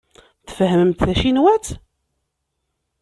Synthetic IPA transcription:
θə̥fɦəməmt̪θæʃinwæt͡s

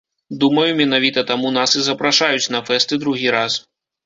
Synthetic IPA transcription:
d̪umɐjumʲɛnavʲit̪ɐt̪amunasɨzɐpɾaʂajut͡sʲnɐfɛst̪ɨd̪ɾuɣʲiɾas

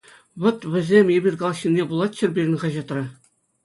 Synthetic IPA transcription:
ʋɤ̆t̪ʋʲɘ̆zʲemʲebʲirʲkɑlˠɑɕːinʲːebulˠɑt̪̚ɕɘ̆rʲbʲiɾʲɘ̆nʲʁɑʑɑt̪rɘ̆

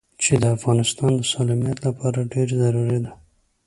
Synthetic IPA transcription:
t͡ʃed̪əafɣɑnɪst̪ɑnd̪əsɑlɑmijat̪lapʰɑɾaɖeɾzaɾuɾid̪a

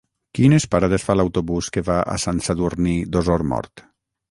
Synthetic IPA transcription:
kinespaɾaðesfalawt̪oβuskeβaʔa̰sansaðuɾnid̪ɔzɔɾmɔ̰ɾt̪

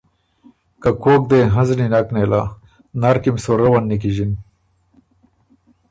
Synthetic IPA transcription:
kakoːk̚d̪eɦɐ̃zninaknela | naɾkimsoɾawanːik̬iʑin

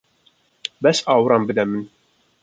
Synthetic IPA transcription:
bæsawɾˤɑmbəd̪æmːən

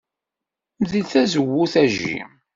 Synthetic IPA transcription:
mðilθæzəwːuθæʒḭ

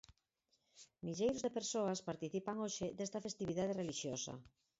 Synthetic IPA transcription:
miʎejɾozðepeɾsoaspaɾt̪iθipaŋoʃɪd̪est̪ɐfest̪iβiðað̞ereliʃjosɐ̰

